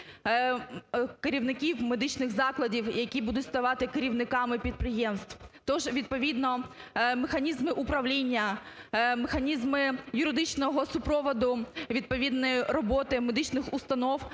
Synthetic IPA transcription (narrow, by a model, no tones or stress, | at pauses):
keɾʲiwnɪkʲiwmed̪ɪt͡ʃnɪxzɑklˠɐdʲiwjɐkʲibud̪ʊtʲst̪ɐʋɑt̪ɪkeɾʲiʋnɪkɑmɪpʲid̪̚pɾɪjɛmst̪wt̪ɔʒʋʲid̪̚pɔʋʲid̪nɔmexɐnʲizmɪʔʊpɾɐʋlʲinʲːɐ | mexɐnʲizmɪjʊɾɪd̪ɪt͡ʃnɔɦɔsʊpɾɔʋɔd̪ʊʋʲid̪̚pɔʋʲid̪nɔjrɔbɔt̪ɪmed̪ɪt͡ʃnɪxʊst̪ɐnɔw